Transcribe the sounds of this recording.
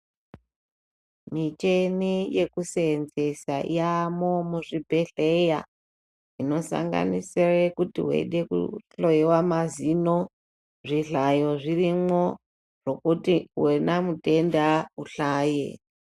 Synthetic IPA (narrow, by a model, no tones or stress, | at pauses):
mit͡ʃe̞nije̞kuseːnze̞saḭjamomuʐibʱe̞ɬe̞ja̰ | ino̞sa̰ŋɡa̰nisirekutḭɦwḛɗekṵɬoiwamazino̞ | ʐiɬajo̞ʐirimwo̞ | ʐo̞kutiwenamute̞ndauɬaːjḛ